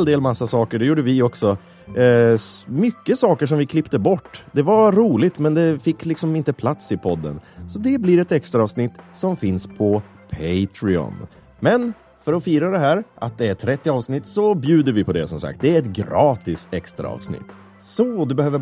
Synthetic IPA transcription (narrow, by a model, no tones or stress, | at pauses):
ld̪eːlmasːasɑːkəɖɛjuːɖəvɪɔksɔ | mʏkːəsɑːkəʂɔmvɪkʰlɪpt̪əbɔʈːd̪ɛvaɾuːlɪt̪mɛnd̪ɛfɪkːlɪksɔmɪnt̪əpʰlat̪sɪpʰɔd̪ːə̰nsɔd̪ɛbliɾɛt̪ɛkst̪ɾaɑːvsnɪt̪ːsɔmfɪnspʰɔ | pʰɛɪt̪ʰɾɪɔ̰n | mɛn | fœɾɔfiːɾad̪ɛɦæːɾʔat̪̚d̪ɛæʈʰɾɛt̪ːɪɑːvsnɪt̪ːsɔbjʉ̟ːd̪əɾvɪpʰɔd̪ɛ̰sɔmsa̰k̚t̪̚d̪ɛæɾɛt̪ɡɾɑːt̪ɪst̪ɛkst̪ɾa̰ɑ̰ːvsnɪ̰t̪ː | sɔd̪ɵbɛhøːvə